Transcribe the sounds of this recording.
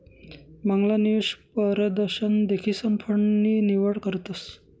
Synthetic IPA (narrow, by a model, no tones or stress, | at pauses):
məŋɡlaniuʂpəɾəd̪əɾɕənd̪ekʰiːsəmpʰəɳniːniʋəɽkəɾt̪əs